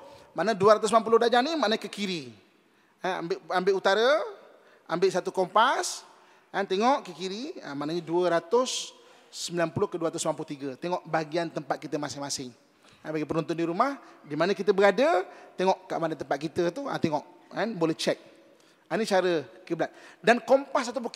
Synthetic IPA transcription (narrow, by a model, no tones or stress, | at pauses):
maʔnəduəɾat̪ʊsmilamp̬ulʊdad͡ʒanimaʔnəkəkiɾi | aa̰mbɪʔambɪʔut̪aɾə | ambɪʔsat̪ukɔmpas | kant̪eŋɔʔkəkiɾia̰maʔnəɲəduəɾat̪ʊsː | əmbilanpulʊhkəduəɾat̪ʊsmlamp̬lʊt̪iɡət̪eŋɔʔbaɡiant̪əmpat̪̚kit̪əmasɪŋmasɪŋ | abaɡipənɔnt̪ʊndiɾumahdimanəkit̪əbəɡadət̪eŋɔʔka̰ʔmadant̪əmpat̪̚kit̪ət̪ua̰t̪eŋɔʔ | kanbolɛht͡ʃɛk̚ | anit͡ʃaɾəkəbəlat̪̚dankɔmpasat̪̬ap̬u